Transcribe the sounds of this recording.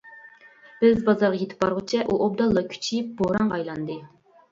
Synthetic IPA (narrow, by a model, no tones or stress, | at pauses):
b̥ɪzbɑzɑɾʁɑjet̪ʰɪ̥p̚bɑɾʁət͡ʃʰɛʔuʔob̚d̪ɑlˠːɑkʲʰy̥t͡ʃʰip̚boɾɑŋɑjlˠɑnd̪ɨ